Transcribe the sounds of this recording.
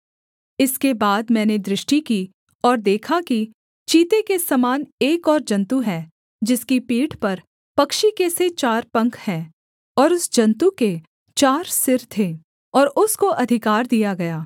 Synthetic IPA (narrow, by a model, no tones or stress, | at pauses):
ɪskebaːd̪mɛ̃ːned̪ɾɪʃʈikiː | ɔːɾd̪eːkʰaki | t͡ʃiːt̪ekesɐmaːneːkɔːɾd͡ʒɐ̃nt̪uɦɛ̃ː | d͡ʒɪskipiːʈʰpɐɾ | pɐkʃikeset͡ʃaːɾpɐ̃ŋkʰhɛ̃ː | ɔːɾʊsd͡ʒɐ̃nt̪uke | t͡ʃaːɾsɪɾt̪ʰeː | ɔːɾʊskoʔɐd̪ʱɪkaːɾd̪ijaɡɐjaː